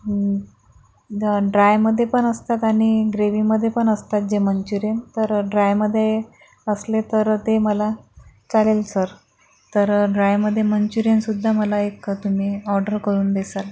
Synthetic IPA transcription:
ɖɾajməd̪ʱːjepəɳəst̪at̪aɽ̃iɡɾeʋiməd̪ʱːjepəɳəst̪at̪̚d͡ʑemənt͡ɕuɾjent̪əɾɖɾajməd̪ʱːje | əslet̪əɾt̪eməlat͡salelsəɾ | t̪əɾɖɾajməd̪ʱːjeməɲt͡ɕuɾjensud̪ʱːaməlaekt̪um̤iːɔɾɖəɾkəɾuːnd̪esəl

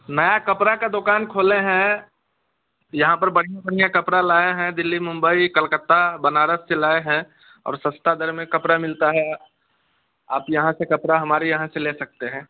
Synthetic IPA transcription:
nəjakəpɾakad̪ʊkaːnkʰoːleɦɛ̃ | jɐɦãpəɾbəɽ̤ijãbəɽ̤ijãkəpɾalaːeɦɛ̃d̪ɪlːimʊ̃mbəikəlkət̪ːabənaːɾəselaːeɦɛ̃ | ɔ̰ːɾsə̃st̪ad̪əɾmẽkɐpɾamɪlt̪aɦɛ | aːpjɐɦãsekəpɾaɦɐmaːɾijɐɦãseleːsɐk̚t̪eɦɛ̃ː

